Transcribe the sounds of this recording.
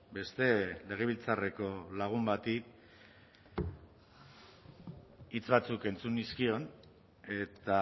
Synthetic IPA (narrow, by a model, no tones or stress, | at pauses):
be̞st̪e̞le̞ɣ̞e̞βilt͡sare̞ko̞laɣ̞umbat̪ik | it͡sβat͡suke̞nt͡suniskio̞n | e̞t̪a